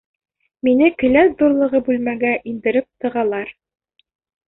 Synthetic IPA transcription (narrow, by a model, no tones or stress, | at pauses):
minɘkɘ̆læd̪uɾlˠɤ̆ʁɤbʉlmæɡæʔind̪ɘ̆ɾɘp̚t̪ɤ̆ʁɑlˠɑɾ